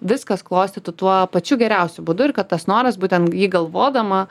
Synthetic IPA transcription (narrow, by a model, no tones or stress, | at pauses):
ʋʲɪskɐsklˠoːsʲt̪ʲet̪ʊt̪uɔpɐt͡ʃʲʊɡʲɛɾʲɛˑʊsʲʊbʊd̪ʊɪɾkɐt̪t̪ɐsnoːɾɐsbuːt̪ʲɛnt̪jiːɡɐlˠʋoːd̪ɐmɐ